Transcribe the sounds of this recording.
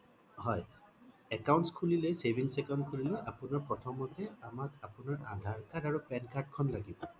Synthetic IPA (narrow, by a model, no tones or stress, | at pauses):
hɔj | ɛkawntskʰulilojsebʱiŋsɛkɔnd̚kʰulilɔjʔapunaɹpɹɔtʰɔmɔtɛamakapunaɹad̪ʱaɹkaɹdaɹupɛnkaɹd̚kʰɔnlaɡibɔ